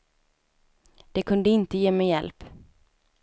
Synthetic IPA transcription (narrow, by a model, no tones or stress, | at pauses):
d̪̥ɛkʰɵnd̪əɪnt̪əjeːmɛjːɛlp